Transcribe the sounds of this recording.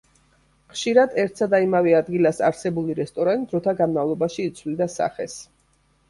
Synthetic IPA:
χʃiɾad̪ɛɾt̪ʰsad̪aimaviad̪ɡilasa̰ɾsɛbuliɾɛst̪ʼɔɾand̪ɾɔt̪ʰaɡanmavlˠɔbaʃiːt̪sʰvlid̪asa̰χɛs

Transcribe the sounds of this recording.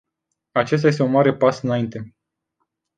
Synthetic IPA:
at͡ʃe̞s̬t̪aje̞st̪unmaɾe̞pasɨnaint̪e̞

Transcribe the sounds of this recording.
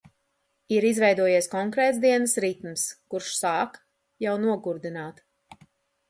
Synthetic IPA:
iɾizvɛjd̪uɔjiɛskɔŋkɾɛːt̪sd̪iɛnəsɾit̪mskuɾʃsaːk | jawnuɔɡuɾd̪inaːt̪

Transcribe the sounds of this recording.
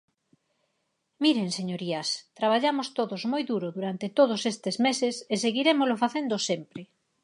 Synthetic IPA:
miɾeŋseɲoɾiɐst̪ɾaβ̞aʎamost̪oðozmojðuɾoðuɾant̪et̪oð̞ʊsest̪ezmesɪseseɣiɾemozlofaθend̪osempɾe

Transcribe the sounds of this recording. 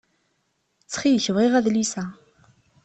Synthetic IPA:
t͡sːχijçəvʁiʁæðlisæ

